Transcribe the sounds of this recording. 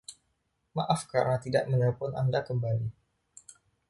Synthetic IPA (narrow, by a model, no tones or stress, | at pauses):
maʔafkaɾnat̪ida̰ʔmənapʊna̰ndakəmbali